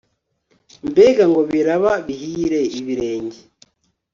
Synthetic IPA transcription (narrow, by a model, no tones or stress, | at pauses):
mbeɡaŋɡo̞βiɾaβaβihiːɾe̞iβiɾeːɲɟe